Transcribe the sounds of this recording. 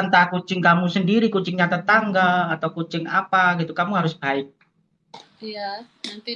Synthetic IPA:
ənt̪akut͡ʃɪŋkamusəndiɾikut͡ʃɪŋɲat̪ət̪aŋɡaːt̪awkut͡ʃɪŋapaɡit̪ukamuɦaɾʊsb̥aɪk̚

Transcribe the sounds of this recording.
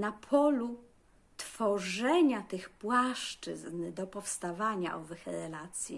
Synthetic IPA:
napʰɔlu | t̪fɔʐɛɲat̪ɘxpwaʂt͡ʂɘ̰znd̪ɔpɔfst̪avaɲa̰ʔɔvɛxɛɾɛlat̪sʲjḭ

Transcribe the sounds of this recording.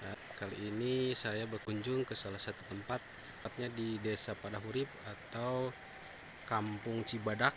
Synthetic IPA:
kaliːnisajabərkuɲd͡ʒʊŋkəsalahsat̪ut̪əmpat̪̚ | pat̪̚ɲadidesapadaɦuɾɪp̚at̪aw | kampʊŋt͡ʃibadak̚

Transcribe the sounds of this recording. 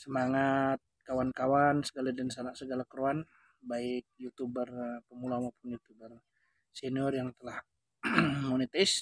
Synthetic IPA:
səmaŋat̪̚kawankawansəɡaladənsanaʔsəɡalakəɾuan | baiɪk̚jut̪ubərpəmulamopʊnjut̪ubər | sɛniɔrjaŋt̪əlah | monet̪ais

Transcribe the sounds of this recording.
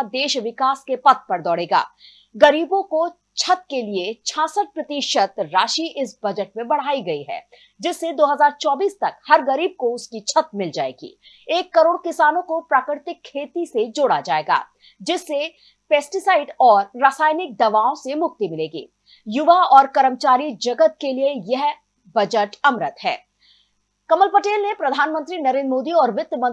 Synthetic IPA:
d̪eːʃʋɪkaːskepɐt̪̚pɐɾd̪ɔːɽeːɡa̰ː | ɡɐɾiːbõko | t͡ʃʰɐt̪̚keliet͡ʃʰãːsəʈ̚pɾɐt̪iːʃət̪ɾaːʃiʔɪsbɐd͡ʒəʈ̚mẽbɐɽ̤aːiɡɐiɦɛ̰ː | d͡ʒɪsːed̪oːɦɐzaːɾt͡ʃɔːbiːst̪ɐkhɐɾɡɐɾiːb̚koʊskit͡ʃʰɐt̪̚mɪld͡ʒaːḛːɡḭː | eːkːɐɾoːɽkɪsaːnõkopɾaːkɾɪɾɪt̪ɪkʰːeːt̪ised͡ʒoːɽad͡ʒaːḛːɡa̰ː | d͡ʒɪsːe | peːsʈɪsaːɪɖɔːɾːaːsaːɪnɪk̚d̪ɐʋaːõsemʊk̚t̪imɪleːɡḭː | jʊʋaɔːɾkɐɾəmt͡ʃaːɾid͡ʒɐɡət̪̚keliejɐɦ | bɐd͡ʒəʈɐmɾət̪ɦɛ̰ː | kɐməlpɐʈeːlnepɾɐd̪ʱaːnmə̃nt̪ɾinɐɾẽːnɾmoːd̪iɔːɾʋɪt̪ːmɐ̃

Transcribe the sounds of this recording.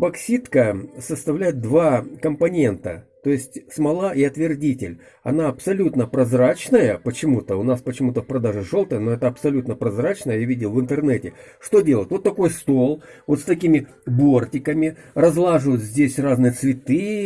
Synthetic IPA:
bɐksʲit̪kəsəst̪ɐvlʲæjɪt̪̚d̪vakəmpɐnʲe̞nt̪ət̪o̞jɪsʲtʲsmɐlˠaʔiɐt̪vʲɪrdʲitʲɪlʲ | ɐ̰naɐpsɐlʲut̪nəpɾɐzrat͡ɕnəjəpət͡ɕɪmut̪əʊnaspət͡ɕɪmut̪əfpɾɐd̪aʐɨʐo̞lˠt̪əjənoɛt̪əɐpsɐlʲut̪nəpɾɐzrat͡ɕnəjəjavʲidʲɪlˠvɨnt̪ɨrnɛtʲɪ | ʂt̪o̞dʲe̞lˠətʲvo̞t̪ːɐko̞jst̪o̞lˠvot̪st̪ɐkʲimʲɪ | bo̞rtʲɪkəmʲɪrɐzlˠaʐɨvɨjt̪zʲdʲesʲraznɨjət̪svʲɪt̪ɨ

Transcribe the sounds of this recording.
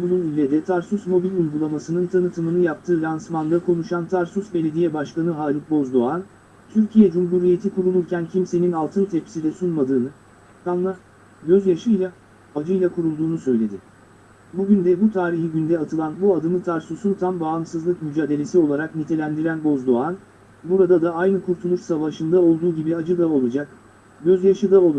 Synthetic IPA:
bununylːʲed̪ɛt̪ʰaɾsusmo̞bilʲujɡulˠamasɯnɯnt̪ʰanɯt̪ʰɯmɯnɯjap̚t̪ʰɯːɾansmand̪akʰo̞nuʃant̪ʰaɾsusbe̞lʲe̞d̪ijɛbaʃkanɯɦaːlʲik̚bo̞zd̪o̞an | t̪ʰyɾcʰijɛd͡ʒumɦuɾije̞t̪ʰikuɾulˠuɾcæncʰimse̞ninalˠt̪ʰɯnt̪ʰɛpi̥sid̪ɛsunmad̪ɯːnɯ | kʰanˠmˠaɾ | ɟø̞zjaʃɯjlˠa | ad͡ʒɯjlˠakʰuɾulˠd̪uːnusø̞jlʲe̞d̪ɪ | buɟynd̪ɛbut̪ʰaːɾiçiɟynd̪ɛat̪ʰɯlˠanbuad̪ɯnɯt̪ʰaɾsusunt̪ʰambaːmsɯzlˠɯkmyd͡ʒaːd̪e̞lʲe̞sio̞lˠaɾaknit̪ʰe̞lʲænd̪iɾænbo̞zd̪o̞an | buɾad̪ad̪aajnɯkʰuɾt̪ʰulˠuʃsavaʃɯnd̪ao̞lˠd̪uːɟibiad͡ʒɯd̪ao̞lˠud͡ʒak̚ | ɟø̞zjaʃɯd̪ao̞lˠu

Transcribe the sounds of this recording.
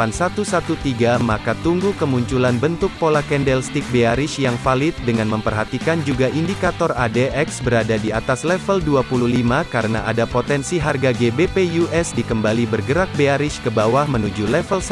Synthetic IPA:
ansat̪usat̪ut̪iɡamakat̪uŋɡukəmuɲt͡ʃulanbənt̪ʊk̚polakɛndɛlst̪ik̚beaɾɪʃjaŋfalɪt̪̚dəŋanməmpərɦat̪ikand͡ʒuɡaʔindikat̪ɔradeʔɛksbəɾadadiat̪aslɛfəlduapuluhlimakaɾəna̰ʔadapot̪ɛnsiɦarɡaɡebepejuɛsdikəmbalibərɡəɾak̚beaɾɪʃkəbawahmənud͡ʒulɛfəls

